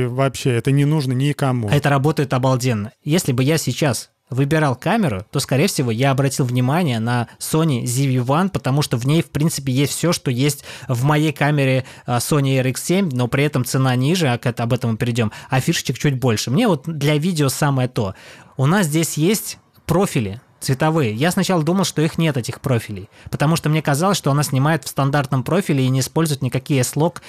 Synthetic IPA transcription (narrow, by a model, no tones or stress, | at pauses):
vɐpɕːeɛt̪ənʲɪnuʐnənʲɪkɐmuɛt̪əɾɐbo̞t̪əjɪt̪ɐbɐlˠdʲe̞nːəjesʲlʲɪbɨjasʲɪt͡ɕas | vɨbʲɪɾɑlˠkamʲɪɾʊ̰t̪o̞skɐɾʲejfsʲɪvo̞jaɐbɾɐtʲilˠvnʲɪmanʲɪjənɐso̞nʲɪzʲɪvʲɪvanpət̪ɐmuʂt̪o̞vnʲejfpɾʲint̪sɨ̥p̬ʲɪjesʲtʲfsʲo̞ʂt̪o̞jesʲtʲvmɐjejkamʲɪɾʲɪso̞nʲɪɛɾikssʲemʲno̞pɾʲɪɛt̪əmt̪sɨnanʲiʐɨɐkɛt̪ɐbɛt̪əmʊpʲɪɾʲɪdʲo̞mɐfʲiʂɨ̥t͡ɕɪk̚t͡ɕut̚ʲbo̞lʲʂɨmnʲe̞vo̞t̪̚d̪lʲɐvʲidʲɪosaməjət̪o̞ʊnas̬zʲdʲesʲjesʲtʲ | pɾo̞fʲɪlʲɪt̪svʲɪt̪ɐvɨjəjasnɐt͡ɕalˠəd̪uməlˠʂt̪o̞ixnʲe̞t̪ɛtʲɪxpɾo̞fʲɪlʲɪjpət̪ɐmuʂt̪omnʲekɐzalˠəsʲʂt̪oɐnasʲnʲɪmajɪt̪fst̪ɐnd̪art̪nəmpɾo̞fʲɪlʲɪːnʲɪːspolʲzʊjɪt̪nʲɪkɐkʲijəslˠo̞k